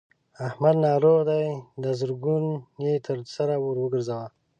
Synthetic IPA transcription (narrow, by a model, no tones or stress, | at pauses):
ahmad̪nɑɾoɣd̪ajd̪əzəɾɡunet̪ʰəɾsaɾawoɾwəɡəɾzawa